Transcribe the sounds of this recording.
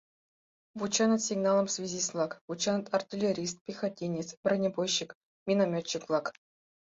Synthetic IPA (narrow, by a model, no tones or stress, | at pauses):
vut͡ɕɑnə̆t̪sʲiɡnɑlˠə̆msʲvʲezʲislˠɑkvut͡ɕɑnət̪artʲilʲeɾʲis̬t̪̚pʲixatʲːenʲet̪t͡sprʲənʲebojɕːik | mʲinamʲot͡ɕːiklˠɑk